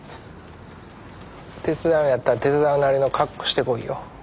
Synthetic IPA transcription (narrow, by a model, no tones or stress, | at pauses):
t̪e̞t͡sɨd̪ãɰ̃jat̪ːat̪e̞t͡sɨd̪ãɰ̃naɾʲino̞kʰakːo̥ɕi̥t̪e̞ko̞ḭjo̰